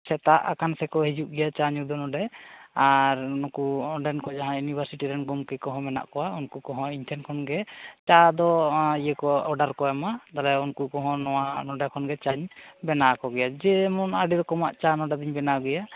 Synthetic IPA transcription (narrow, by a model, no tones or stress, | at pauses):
sɛt̪aʔa̰kansɛkɔɦid͡ʒuʔɡɛjat͡ʃaɲud̪ɔnɔɖɛaɾnɔkuɔnɖankɔd͡ʒaɦãjunibʱaɾsiʈiɾɛnɡɔmkɛkɔɦɔ̃mɛna̰ʔkɔwaunkukɔɦɔ̃iɲtʰɛnkʰɔnɡɛt͡ʃad̪ɔijəkɔɔɖaɾkɔɛmad̪alɛunkukɔɦɔ̃nɔwanɔɖakʰɔnɡɛt͡ʃaɲbɛnakɔɡɛjad͡ʒɛmɔnaɖid̪ɔkɔmaʔt͡ʃanɔɖad̪iɲbɛnaɡɛja